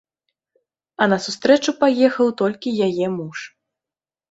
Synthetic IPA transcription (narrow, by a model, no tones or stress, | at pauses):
ɐnɐsust̪ɾɛt͡ʂupajɛxɐwt̪ɔlʲkʲijajɛmuʂ